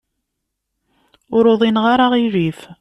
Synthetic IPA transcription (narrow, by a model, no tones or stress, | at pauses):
ʊɾoðˤinʁaɾˤaʁiɾif